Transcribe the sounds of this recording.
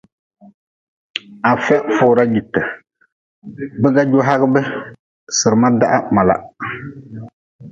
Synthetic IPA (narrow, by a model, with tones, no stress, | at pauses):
a˨fɛ˦fʊː˨ɾa˦ji˨tːɨ˨ | bɛ˦ɡa˦d͡ʒo˦ɦa˦ɣɨ˦bɛ˦ | sɨ˨ɾɨ˨ma˦da˦ʔa˦ma˨la̰˨